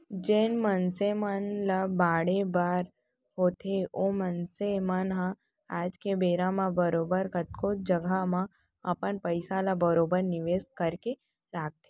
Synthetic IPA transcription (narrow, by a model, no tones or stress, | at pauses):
d͡ʒeːnmənsemənlabaːɽebaːɾ | ɦoːt̪eomənsemənɦã | aːd͡ʒkebeːɾãmãbəɾoːbəɾkət̪kod͡ʒəɡamã | ɐpənpəɪsalabəɾoːbəɾnɪʋeːskəɾke | ɾaːk̚t̪e̥